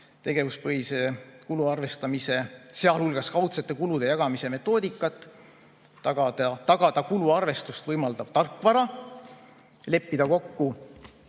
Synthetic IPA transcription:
t̪e̞ɡ̥e̞vuspɤɦisekuluɑrve̞st̪ɑmise̞se̞ɑlhulɡ̥ɑskɑwt̪se̞t̪ːˑe̞kulud̪̥e̞jɑɡ̥ɑmise̞me̞t̪ˑːo̞ːd̪ikːˑɑt̪ːˑ | ɑɡɑt̪ɑɡ̥ɑd̪̥ɑkuluɑrve̞st̪ust̪vɤjmɑld̪ɑb̥t̪ɑrkːˑvɑɾɑ | le̞pːid̪̥ɑko̞kːu

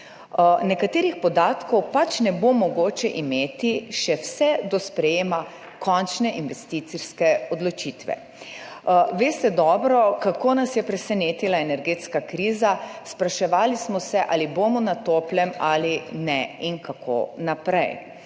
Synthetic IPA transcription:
nɛkat̪eːɾixpɔd̪aːt̪kɔwpat͡ʃnɛbomɔɡoːt͡ʃɛʔimeːt̪iʃɛwsɛd̪ɔspɾɛjeːma | kɔnt͡ʃnɛʔinʋɛst̪it̪siɾskɛɔd̪lɔt͡ʃit̪ʋɛ̰ | ʋeːst̪ɛd̪ɔːbɾɔkakoːnasjɛpɾɛsɛneːt̪ilaenɛɾɡeːt̪skakɾiːzaspɾaʃɛʋaːlismɔsɛʔalibomɔnat̪oːplɛmalinɛiŋkakʰo̰napɾɛ̰j

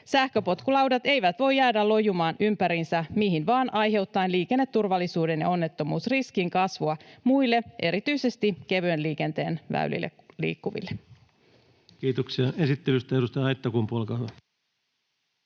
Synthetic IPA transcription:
sæhkø̞po̞t̪kulɑwdɑt̪e̞jʋæt̪ʋo̞jːæːdælo̞jumɑːnʔympæɾinsæmiɦinʋɑːnʔɑjɦe̞wt̪ːɑinliːke̞nːe̞t̪ːurʋɑlːisuːde̞njɑ̰o̞nːe̞t̪ːo̞muːsriskiŋkɑsʋuɑmuilːe̞ʔe̞ɾit̪yise̞st̪ike̞ʋønliːk̟e̞nt̪e̞̰ːnʋæ̰y̰lḭlːḛklḭːkːuʋḭlːe | kiːt̪oksiɑesit̪ːelyst̪ɑedust̪ɑjɑɑjt̪ːɑkumpuolkɑhʋɑ

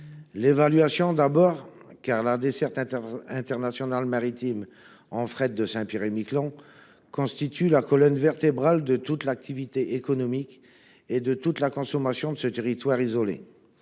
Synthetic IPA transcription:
levalɥasjɔ̃d̪abɔʁkaʁlad̪esɛʁt̪ɛ̃ɛ̃t̪ɛʁnasjɔnalmaʁit̪im | ɑ̃fχɛt̪̚d̪əsɛ̃piʁemiklɑ̃ | kɔ̃st̪it̪ʰylakɔlɔnvɛʁt̪ebʁald̪ət̪ut̪lak̚t̪ʰivit̪eʔekɔnɔmik | ed̪ət̪ut̪lakɔ̃sɔmasjɔ̃d̪əsət̪eʁit̪waʁizɔlḛ

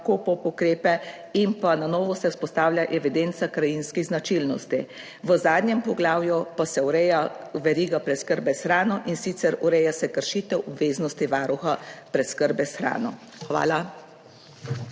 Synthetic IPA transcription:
kopɔpɔkɾeːpɛ | impananɔːʋɔsɛuspɔst̪aːwlʲjaʔɛʋid̪ent̪sakɾajinskiɣznat͡ʃilnɔ̰st̪i | ʋəzaːd̪nɲjɛmpɔɡlaːwjupasɛuɾɛjaʋɛɾiːɡapɾɛt̪skəɾbɛsxɾaːnɔʔinsit̪sɛɾuɾɛjasɛkəɾʃiːt̪ɛwʔɔbʋeːznɔst̪iʋaːɾuxapɾɛt̪skəɾbɛsxɾa̰ːnɔ | xʋa̰ːla

